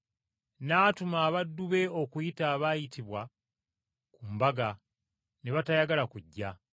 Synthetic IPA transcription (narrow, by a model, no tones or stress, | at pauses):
naːtumaːβadːuβe̞o̞kujitaːβajitiβwa | kumbaɡa | neβatajaɡalakuɟːa